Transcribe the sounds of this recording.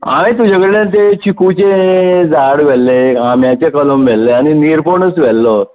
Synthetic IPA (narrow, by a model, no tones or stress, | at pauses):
a̰mẽt̪ud͡ʑəɡɽlent̪et͡ɕikut͡ɕed͡zaɽʋɛlːeamjat͡ɕekələmʋɛlːeaniniːɾpoɳəsʋɛlːɔ